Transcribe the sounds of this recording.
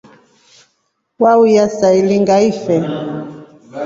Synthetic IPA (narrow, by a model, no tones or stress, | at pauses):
waujasailiŋɡaifɛ